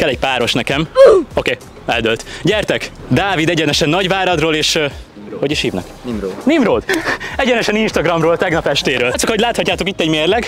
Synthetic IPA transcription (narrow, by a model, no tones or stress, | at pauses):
kɛlːɛɟpaːɾo̞ʃnɛkɛmo̞keː | ɛ̰ld̪ølt̪ɟɛrt̪ɛkd̪aːvid̪ɛɟɛnɛʃɛnːɒɟvaːɾɒd̪roːleːʃ | ho̞ɟiʃhiːvnɛ̰kːnimroːd̪ɛɟɛnɛʃɛninʃt̪ɒɡrɒmroːlt̪ɛɡnɒpɛʃt̪eːɾøːlt̪sokhoɟlaːt̪hɒcːaːt̪okit̪ːɛɟmeːrlɛɡ